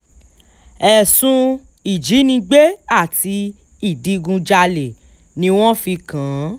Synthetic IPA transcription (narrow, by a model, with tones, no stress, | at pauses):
ɛ˨sũ˧ | i˨d͡ʒi˨˦nĩ˧ɡ͡be˦a˦˨ti˧ | i˦˨di˨˧ɡũ˧d͡ʒa˧le˨ | nĩ˧w̃ɔ̃˦fi˧kã˨˦